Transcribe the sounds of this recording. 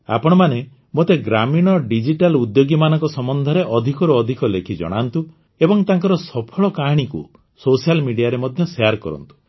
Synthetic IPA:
a̰pɔɽ̃ɔmane | mot̪eɡɾamiɽ̃ɔɖid͡ʒiʈalud̪joɡimanɔŋkɔsɔmɔnd̪ʱɔɾeʔɔd̪ʱikɔɾuɔd̪ʱikɔlekʰid͡ʒɔ̰ɽ̃ant̪u | ebɔŋt̪aŋkɔɾɔsɔpʰɔɭɔkaɽ̃ikṵ | sosialmiɽijaɾemɔd̪ʱjɔsejaɾkɔ̰ɾɔ̰nt̪u̥

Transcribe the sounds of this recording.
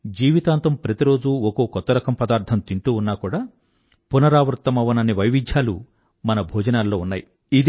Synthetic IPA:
d͡ʒiːʋit̪aːnt̪ɐmpɾɐt̪iɾo̞ːd͡ʒuɔko̞ːkɔt̪ːɐɾɐkɐmpɐd̪aːɾt̪ʰɐnt̪iɳʈ̪uːunːaːkuːɽaː | punɐɾaːʋɾut̪ːɐmɐʋɐnɐnːiʋɐjʋid͡ʒ̪ʱjaːlu | mɐnɐbʱoːd͡ʒɐnaːlːo̞ːunːaːji | id̪

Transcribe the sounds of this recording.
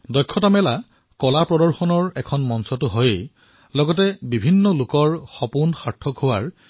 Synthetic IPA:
dɔjkʰːɔtamɛla | kɔlapɹɔdɔɹxɔnɔɹɛkʰɔnmɔnsɔtʊɦojej | lɔɡɔtɛbibʱinːɔlʊkɔɹxɔpunxaɹtʰːɔkɦʊwaɹ

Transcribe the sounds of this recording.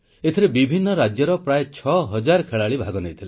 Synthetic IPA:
et̪ʰiɾebibʱinːɔɾad͡ʒjɔɾɔpɾaet͡ʃʰɔɦɔd͡ʒaɾkʰeɭaɭibʱaɡɔnejt̪ʰile

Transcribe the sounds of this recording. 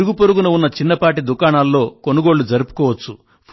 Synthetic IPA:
ɾuɡupoɾuɡunɐunːɐt͡ʃinːɐpaːʈ̬id̪ukaːɳaːlːo̞ːko̞nuɡo̞ːɽːud͡ʒɐɾupu̥kɔːʋɐt͡ʃːu | pʰ

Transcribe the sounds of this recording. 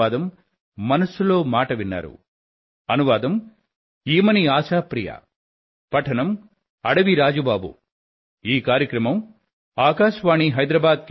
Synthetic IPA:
aːd̪ɐmː | ɐnɐsulo̞ːmaːʈɐʋinːa̰ːɾṵ | ɐnuʋaːd̪ɐm | iːmɐniaːsaːpɾija̰ | pɐʈʰɐnɐm | ɐɽɐʋiɾaːd͡ʒubaːbṵ | iːkaːɾjɐkɾɐmɐm | aːkaːʃʋaːɳiɦɐjd̪ɾɐbaːd̪̚k

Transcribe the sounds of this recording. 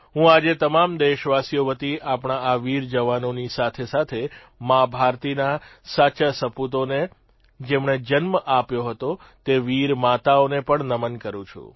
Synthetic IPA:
ɦũad͡ʒet̪əmamd̪eʃʋasijoʋət̪iʔapɳ̃aaʋiɾd͡ʒəʋanonisat̪ʰesat̪ʰe | mãbʱaɾt̪inasat͡ʃasəput̪̬one | d͡ʒemɳed͡ʒənməʔapjoɦət̪o | t̪eʋiɾmat̪aonepəɳnəmənkəɾũt͡ʃʰṵ

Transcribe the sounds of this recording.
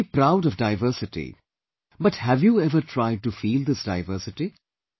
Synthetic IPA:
pɾaʊɾɔʋdaɪvəɾsɪʈḭ | bʌʈhævjuɛvəɾʈʰɾaɪɖ̚ʈufiːld̪ɪsdaɪvəɾsɪʈi

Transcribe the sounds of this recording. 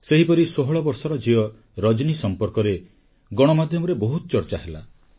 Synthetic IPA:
seɦipɔɾisoɦɔɭɔbɔɾsɔɾɔd͡ʒiɔ | ɾɔd͡ʒnisɔmpɔɾkɔɾe | ɡɔɽ̃ɔmad̪ʱjɔmɔɾebɔɦut̪ɔt͡ʃɔɾt͡ʃaɦela

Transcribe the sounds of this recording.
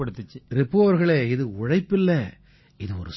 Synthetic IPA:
ɐɽɯt̪ːɯt͡ʃːɯɾɪpːɯɐʋɐɾɣɐɭeːɪðɯʊɻɐɪpːɪlːɛ | ɪðɯɔ̰ɾɯ

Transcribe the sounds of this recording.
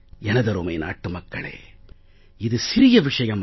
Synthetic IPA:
ɛnɐd̪ɐɾoːmɐːna̰ːʈːumɐkːɐɭḛː | id̪usiɾijɐʋiʂɐjɐm

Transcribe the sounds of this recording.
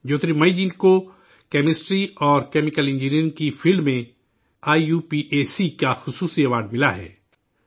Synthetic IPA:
d͡ʒoːt̪ɾimɐid͡ʒinko | kɛːmɪsʈɾiɔːɾkɛːmɪkəlɪ̃nd͡ʒiniɾɪ̃ŋkifʰɪlɖmẽ | aːijuːpiʔeːsikaxʊsuːsiɐʋaːɾɖ̚mɪlaɦɛ̰ː

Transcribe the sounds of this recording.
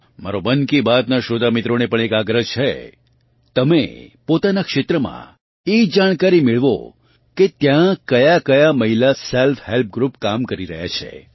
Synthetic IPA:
ma̰ɾobənkibat̪naʃod̪ʱamɪt̪ɾonepəɳ̃ekaɡɾəɦt͡ʃʰḛ | t̪əmḛpot̪anakʃet̪ɾəmã̰ | ed͡ʒaɽ̃kaɾimɪɭʋo̰ | ket̪jãkəjakəjaməɦilaselfɦelp̚ɡɾupkamkəɾiɾə̰ɦja̰t͡ʃʰḛ

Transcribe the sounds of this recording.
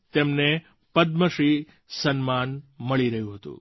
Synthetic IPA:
t̪emne | pəd̪məʃi | sənmanməɭiɾəɦjũɦət̪ṵ̃

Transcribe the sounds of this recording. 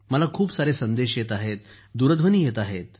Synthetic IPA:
məlakʰuːpsaɾesənd̪eɕjet̪aɦet̪̚ | d̪uɾəd̪ʱʋəniːjet̪aɦet̪̚

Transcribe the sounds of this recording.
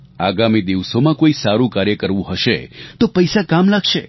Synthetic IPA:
aɡamid̪iʋsomãkoisaɾũkaɾjəkəɾʋũɦəʃet̪opəjsakamlakʃḛ

